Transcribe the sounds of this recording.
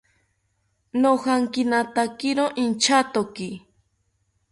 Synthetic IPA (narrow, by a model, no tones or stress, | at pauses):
nohaŋkɪnat̪akɪɾoʔint͡ʃat̪oki